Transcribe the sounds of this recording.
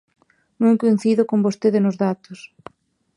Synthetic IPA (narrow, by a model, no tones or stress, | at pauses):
nũŋkoin̟θiðʊkombost̪eðɪnʊzðat̪ʊs